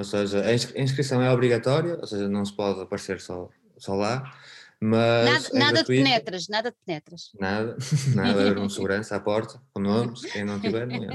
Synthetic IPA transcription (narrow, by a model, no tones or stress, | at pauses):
oseʒɐɐĩʃkɐĩʃkɾisɐ̃w̃ɛɔβɾiɣɐt̪ɔɾjɐo̰seʒɐnɐ̃w̃sɨ̥pɔðɐpɐɾseɾsɔ | sɔlˠa | mɐnaðɐðuinɛt̪ɾɐʃnaðɐðpnɛt̪ɾɐʃnaðɐnaðɐɐeɾũsɨɣuɾɐ̃sɐapɔɾt̪ɐkõnomʃkẽj̃nɐ̃w̃t̪ivɛɾñɛ̰̃